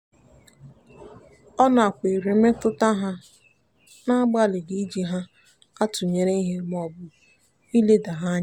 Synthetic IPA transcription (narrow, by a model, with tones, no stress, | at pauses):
ɔ˦na˨kʷe˨ɾe˨me˦tʊ˦ta˦ɦa˦ | na˦a˦ɡ͡ba˦lɪ˨ɡi˦d͡ʒi˨ɦa˦ | a˦tʊ˨ɲe˨ɾe˦i˦ɦe˦m˨ɔ˨bʊ˨ | i˦le˦da˨ɦa˦ɲa˦